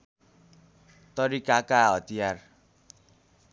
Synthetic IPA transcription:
t̪ʌɾikakaɦʌt̪ijar

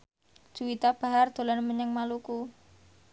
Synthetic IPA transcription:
d̥ʒ̥uwit̪ab̥a̤ɦard̪̥o̤lanməɲəŋmaluku

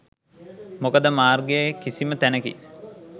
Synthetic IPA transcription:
mokəd̪əmaːrɡejekisimət̪ænəkḭ

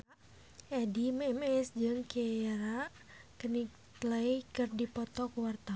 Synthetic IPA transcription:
ɛdimɛmɛsd͡ʒɨŋkaɾa | kəni | t̪ləikɨrdipɔt̪ɔkuwart̪a

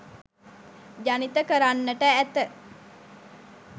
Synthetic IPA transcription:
d͡ʒanit̪əkəɾanːəʈəæt̪ə

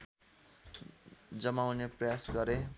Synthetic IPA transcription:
d͡zʌmawneprʌjasɡʌɾe

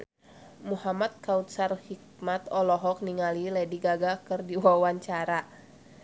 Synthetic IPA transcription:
muhamat̪̚kaut̪̚sarhik̚mat̪ɔlɔɦɔk̚niŋalilɛdiɡaɡakɨrdiwawaɲt͡ʃaɾa

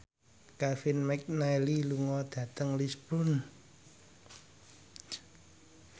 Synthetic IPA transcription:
kafinmɛk̚naeliluŋɔd̪̥ä̤t̪əŋlispɾʊn

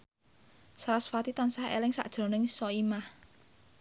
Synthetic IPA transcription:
sɾasfat̪it̪ansahḛlɪŋsa̰ʔd̥ʒ̥ɾo̤nɪŋsɔimah

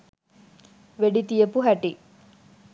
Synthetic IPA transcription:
ʋeɖit̪ijəpuɦæʈi

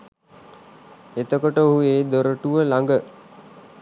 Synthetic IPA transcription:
et̪əkoʈəoɦueːd̪oɾəʈuʋəlaŋɡə

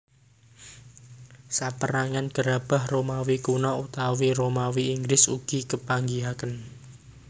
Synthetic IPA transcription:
sapəɾaŋanɡ̥əɾab̥a̤hromawikunɔut̪awiɾomawiːŋɡɾɪsuɡ̥i̤kəpaŋɡiɦakən

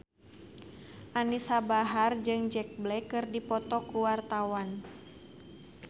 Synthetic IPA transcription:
ʔanisabaɦard͡ʒɨŋd͡ʒɛk̚blɛkɨrdipɔt̪ɔkuwart̪awan

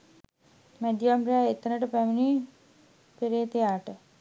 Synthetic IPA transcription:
mæd̪jamrejaːet̪ːənəʈəpæmini | peɾeːt̪ejaːʈə

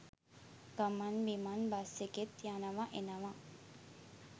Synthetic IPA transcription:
ɡamanbimanbaseket̪janɐʋaʔenaʋa

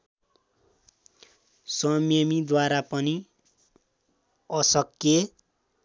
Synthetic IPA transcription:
sʌmjemid̪waɾapʌni | ʌsʌkːe

